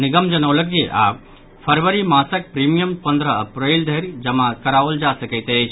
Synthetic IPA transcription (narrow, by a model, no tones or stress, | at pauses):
niɡəmd͡ʒɐnɐwlɐk̚eʔa | pʰɐɾʋəɾimaːsɐk̚pɾimijəmpɐ̃nd̪ɾəɐpɾeːld̪ʱeɾd͡ʒɐmakɐɾaːʋəld͡ʒaːsɐkət̪eːt͡ʃʰ